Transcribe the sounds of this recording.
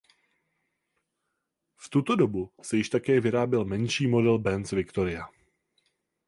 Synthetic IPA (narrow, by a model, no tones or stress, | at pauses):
ft̪ut̪o̞do̞busɛjɪʃt̪akɛːvɪɾaːbɪlmɛnʃiːmo̞dɛlbɛnsvɪkt̪o̞ɾɪa